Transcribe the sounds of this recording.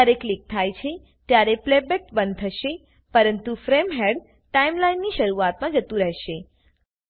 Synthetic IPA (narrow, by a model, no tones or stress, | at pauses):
aɾeklik̚t̪ʰajt͡ʃʰe | t̪jaɾeplebeʈbənd̪̚t̪ʰəʃe | pəɾənt̪ufɾemɦeɖ | ʈaimlainːiʃəɾuat̪mãd͡ʒət̪ũɾəɦʃe